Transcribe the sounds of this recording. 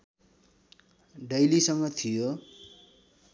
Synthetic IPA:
ɖʌjlisʌŋɡʌt̪ʰijo

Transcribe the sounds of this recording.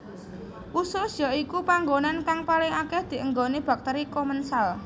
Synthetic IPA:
ʔusosjɔikupaŋɡonankaŋpalɪŋakɛhd̪̥i̤ʔəŋɡonib̥a̤k̚t̪əɾikomənsal

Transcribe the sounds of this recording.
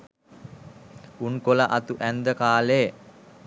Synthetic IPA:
unkolaʔat̪uʔænd̪əkaːle

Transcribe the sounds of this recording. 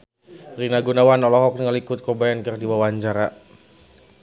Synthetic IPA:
rinaɡunawanɔlɔɦɔk̚nŋalikʊt̪̚kɔbajankɨrdiwawaɲt͡ʃaɾa

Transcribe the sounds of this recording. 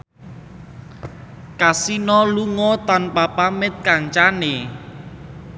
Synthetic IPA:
kasinɔluŋɔt̪anpapamɪt̪̚kaŋt͡ʃane

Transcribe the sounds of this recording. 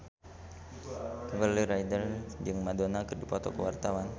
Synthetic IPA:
vəliɾajdərd͡ʒɨŋmadonakərdipɔt̪ɔ̰kəwart̪awan

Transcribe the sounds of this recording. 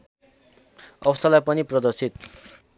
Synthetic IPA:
ʌ̰bʌst̪ʰalajpʌniprʌd̪ʌrsit̪

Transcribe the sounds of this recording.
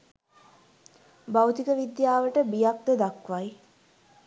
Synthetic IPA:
bawt̪ikəʋid̪jaːʋəʈəbijak̚d̪əd̪akʋaj

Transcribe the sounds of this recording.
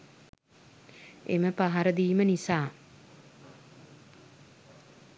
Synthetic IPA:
ḛməpaɦaɾəd̪iːmənisaː

